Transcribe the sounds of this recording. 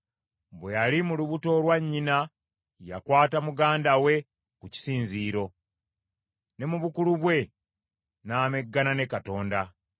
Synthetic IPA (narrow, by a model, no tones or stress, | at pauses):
bwejalimuluβuto̞lwaɲːina | ja̰kwaːtamuɡaːndawe̞ | kuci̥siːnziːɾo̞ | ne̞muβukuluβwe̞ | naːme̞ɡːanane̞kato̞ːnda